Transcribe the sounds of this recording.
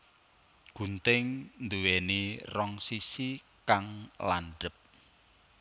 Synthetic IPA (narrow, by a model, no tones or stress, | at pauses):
ɡ̥ṳnt̪ɪŋnd̪uwenirɔŋsisi | kaŋla̰nɖə̤p̚